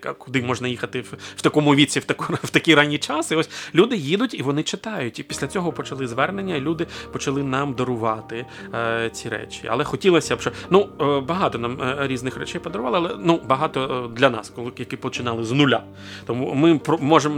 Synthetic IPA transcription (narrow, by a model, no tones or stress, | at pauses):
kʊd̪ɪmɔʒnɐjixɐt̪ɪww̥t̪ɐkɔmʊʋʲit͡sʲiwt̪ɐkwt̪ɐkʲiɾɑnʲːit͡ʃɑsɪɔsʲlʲud̪ɪjid̪ʊtʲiʋɔnɪt͡ʃɪt̪ɑjʊtʲipʲi̥sʲlʲɐt͡sʲɔɦɔpɔt͡ʃɐlˠɪzʋɛrnenʲːɐilʲud̪ɪpɔt͡ʃɐlˠɪnɑmd̪ɔɾʊʋɑt̪ɪ | t͡sʲiɾɛ̰t͡ʃʲiɐ̰lˠɛxɔtʲilˠɔsʲɐʃɔnubɐɦɑt̪ɔnɑmɾʲiznɪxɾɛ̰t͡ʃɛjpɔd̪ɔɾʊʋɑlˠɪɐlˠɛnubɐɦɑt̪ɔd̪lʲɐnɑ̰skɔlˠɪjɐkɪpɔt͡ʃɪnɑlˠɪznʊlʲa | t̪ɔmumɪpɔmɔʒem